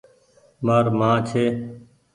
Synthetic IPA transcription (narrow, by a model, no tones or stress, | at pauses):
maːɾmãːt͡ʃʰeː